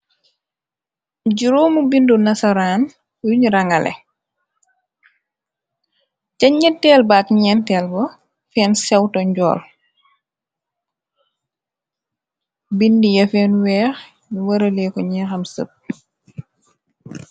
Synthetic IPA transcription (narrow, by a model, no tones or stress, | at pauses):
ɟiɾoːmubindunɐsɐɾaːn | juɲɾɐŋɐlʔɛ̰ | cɐɲːɛtːɛːlbaːkɲɛːntɛːlbɔ | fɛːnsɛwtɔɲɟɔ̰ːl | bindijɐfɛːnwɛːx | jiwɐɾɐlɛkɔɲɛxɐmsə̰p̚